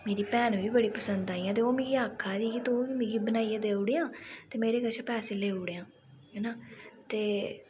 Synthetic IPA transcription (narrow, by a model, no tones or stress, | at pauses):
meːɾiːpɛːnʋiːbəɽiːpəsənd̪aːiãːt̪eːoːmĩːɡiaːkʰːaːd̪iːɡiːt̪oːiːmĩɡiːbənaːied̪eːʊɽeːãːt̪eːmeːɾeːɡəʃʰaːpɛːseːleːʊɽeãː | ɦɛːnaːt̪eː